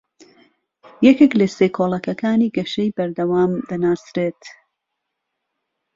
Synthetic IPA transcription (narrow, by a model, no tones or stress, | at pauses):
jɛkeklɐseːkʰoːlˠɐkɐkaːniːɡɐʃejbɐɾd̪ɐwaːmd̪ɐnaːsɾeːt̪